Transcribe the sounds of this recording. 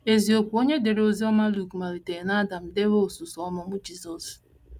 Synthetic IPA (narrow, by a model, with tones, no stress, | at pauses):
e˨zi˨o˨kʷu˨o˦ɲe˦de˨ɾe˨˦o˦zi˦ɔ˦ma˦lu˦˨kma˨ɾi˨te˨na˦da˨m̩˨de˦ɦo˦o˨su˨sɔ˦mɔ˦mʊ˦d͡ʒi˦zɔ˨s